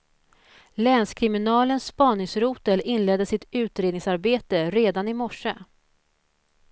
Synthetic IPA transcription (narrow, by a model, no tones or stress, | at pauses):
lɛnskʰɾɪmɪnɑːlənsːpɑːnɪŋsɾuːt̪əlɪnːlɛd̪ːəsɪt̪ʉ̟ːt̪ɾeːd̪nɪŋsaɾbeːt̪əɾeːd̪anɪmɔʂə